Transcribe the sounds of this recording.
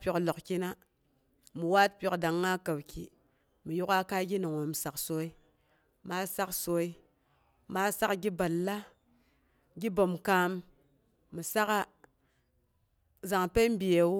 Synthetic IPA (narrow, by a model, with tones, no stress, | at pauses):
pʲi˨klo˨kki˦na˦ | mu˨wa˦t̚pi˨kda˨ŋːa˦ka˨wkʰḭ˨ | mi˨ju˦ka˦ka˦ɡʲi˦no˨ŋo˨mi˨sa˨kso˦i˦ | ma˦sa˦kso˨i˦ | ma˦sa˦kɡi˦ba˨lːa˦ | ɡi˦bo˨mka˨mː | i˨sa˦ka˦ | za˨ŋpe˦m˦bi˨je˨wu˦